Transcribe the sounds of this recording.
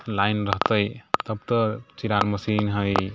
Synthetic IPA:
lajnɾəɦt̪əjt̪əb̚t̪ɔt͡ʃiɾaɾməsinɦəj

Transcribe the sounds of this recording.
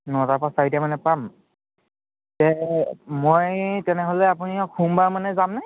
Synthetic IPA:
nɔtapasaɹitɛmanɛpam | tɛmojtɛnɛɦolɛap̬unikʰumbaɹmanɛzamnaj

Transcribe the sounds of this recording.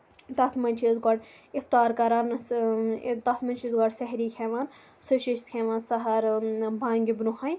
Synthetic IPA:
t̪ɐt̪ʰmɐnʲt͡ʃʰizɡɐɖift̪aːɾkɐɾaːn | t̪ɐt̪ʰmɐnt͡ʃʰizɡɐɖsɐɦɾiːkʰeʋaːn | sɨʃiʃt̪kʰeːʋaːnsɐɦɐɾbãːŋɡʲibnuhan

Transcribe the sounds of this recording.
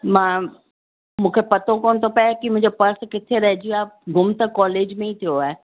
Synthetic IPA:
mãː | mũːkʰepɐt̪ʰokoːñt̪ʰopɐakimʊ̃ɪ̃ɲd͡ʑopɐɾskɪt̪ʰeɾɐɦɪd͡ʑiaːɡʊmt̪əkɔːleːd͡ʑmẽit̪ʰijoaːɦe

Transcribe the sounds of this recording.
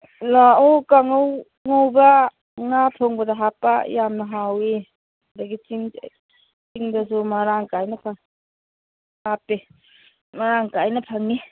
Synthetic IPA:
laokaŋow | ŋowba | ŋapʰoŋbɐdaɦapːa̰jamnɐɦawi | daɡit͡ʃiŋ | t͡ʃiŋdɐsumɐɾaŋkajnɐpʰaŋ | hapːe | mɐɾaŋkajnɐpʰaŋi

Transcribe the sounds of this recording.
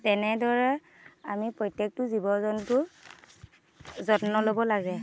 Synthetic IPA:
tɛnɛdɔɹɛ | amipɹɔjtjek̚tʊzibɔzɔntʊ | zɔtnɔlobɔlaɡɛ

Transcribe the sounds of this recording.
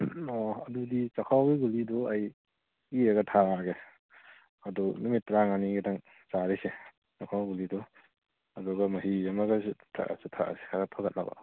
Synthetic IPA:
ɔɐdudit͡ʃakʰawɡiɡulidɔaj | iaɡɐtʰaaɡe | ɐdɔnumitːɾaŋaniɡidaŋ | t͡ʃaɾise | t͡ʃakʰawɡulidɔ | ɐduɡɐmɐɦiamaɡastʰa̰ʔa̰sutʰa̰se̥kʰaɡatʰaɡat̚na̰ba̰

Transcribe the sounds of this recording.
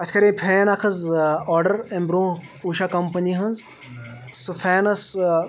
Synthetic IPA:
ɐsʰkɐɾẽːpʰeːnakʰɐzɔːɾɖɐɾẽmbɾõː | uːʃakɐmpɐniɦɐ̃nz | sufʰɛːnɐs

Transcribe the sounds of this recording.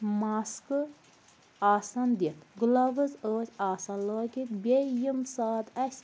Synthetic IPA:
maːskɨ | aːsɐnd̪it̪ɡulɐʋɨzəːsʲaːsɐnloːkʲit̪bʲejimsaːt̪ɐsʲ

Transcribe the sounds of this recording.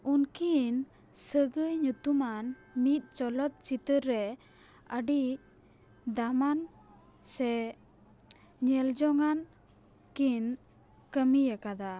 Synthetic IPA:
unkin | səɡəjɲut̪uman | mit̪̚ˀt͡ʃɔlɔt̪̚t͡ʃit̪əɾɾɛ | əɖi | d̪aman | sɛ | ɲɛld͡ʒɔŋan | kin | kəmijakad̪a

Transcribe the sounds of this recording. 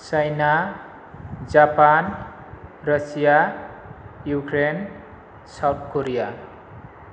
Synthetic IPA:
sajna | d͡ʒapan | rʌsija | jukɾen | sawt̪̚koɾija

